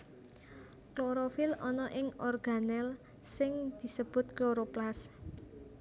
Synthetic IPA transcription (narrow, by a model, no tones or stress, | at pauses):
kloɾofɪlɔnɔʔɪŋɔrɡ̥a̤nɛl | sɪŋd̪̥i̤səb̥ʊ̤t̪̚kloɾoplas